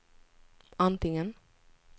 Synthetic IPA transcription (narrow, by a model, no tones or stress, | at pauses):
ant̪ɪŋən